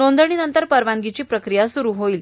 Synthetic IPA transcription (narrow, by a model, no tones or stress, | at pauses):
ond̪əɳ̃iːnənt̪əɾpəɾʋaŋɡit͡ɕiːpɾəkɾijasuɾuɦoiːl